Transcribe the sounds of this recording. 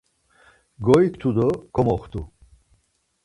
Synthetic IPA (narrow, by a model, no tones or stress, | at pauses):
ɡɔikʰt̪ʰud̪ɔkʰɔmɔχt̪ʰu